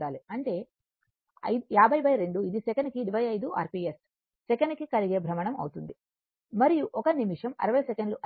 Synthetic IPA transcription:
aːliɐɳʈe̞ː | ɐ̰j̪jaːbʱɐjbɐjɾe̞ɳɖuid̪isɛkɐnikiɖibʱɐjɐjd̪uʔa̰ːɾpiːes | sɛkɐnikikɐliɡe̞ːbʱɾɐmɐɳɐmɐ̰wut̪und̪i | mɐɾijuʔɔkɐnimiʂɐmɐ̰ɾɐʋɐjɐsekeɳɖluʔɐ

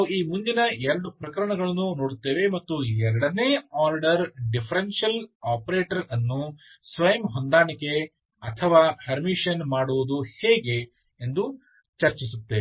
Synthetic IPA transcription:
ɐiːmund͡ʒinɐɛɾɐɖupɾɐkɐɾɐɳɐɡɐɭɐnːunoːɽut̪ːeːʋe̞mɐt̪ːuɛɾɐɽɐneːaːɾɖɐɾɖipʰɐɾenʂɐlaːpɐɾeːʈɐɾɐnːu | sʋɐjɐmɦond̪aːɳike̞ | ɐt̪ʰɐʋaːhɐɾmiʂɐnmaːɽuʋud̪uheːɡe̞ː | nd̪u | t͡ʃɐɾt͡ʃisut̪ːe

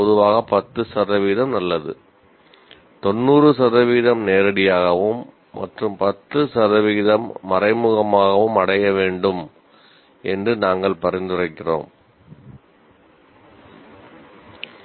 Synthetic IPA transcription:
pɔðɯʋaːɣɐpɐt̪ːɯsɐðɐʋiːðɐmnɐlːɐðɯ̰ | t̪ɔnːuːrɯsɐðɐʋiːðɐmneːɾɐɽɪjaːɣɐʋɯmː | ɐ̰ʈrɯmpɐt̪ːɯsɐðɐʋiːðɐmːɐrɐɪmɯɣɐmaːɣɐʋɯmɐɽɐjɐʋeːɳɖɯm | ɛndrɯnaːŋɡɐɭpɐrɪnd̪ɯrɐɪkːɪro̰ːm

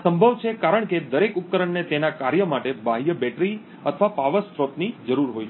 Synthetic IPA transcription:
səmbʱəʋt͡ʃʰekaɾəɳ̃ked̪əɾekup̚kəɾəɳnet̪enakaɾjəmaʈebʱaɦjəbɛʈɾi | ət̪ʰəʋapaʋəspɾot̪nid͡ʒəɾuɾɦoj

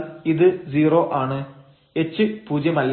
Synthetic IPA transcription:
iðɨd͡ʑiːro̞ːʔaːɳɨ | e̞t͡ɕːɨpuːd͡ʑjɐmɐlː

